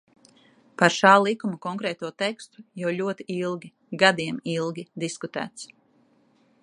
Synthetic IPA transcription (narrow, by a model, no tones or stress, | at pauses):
paɾʃaːlˠikumukɔŋkɾɛːt̪uɔt̪ɛkst̪u̥jawʎʲuɔt̪iilˠɡʲi | ɡad̪iɛmilˠɡʲid̪iskut̪æ̰ːt̪s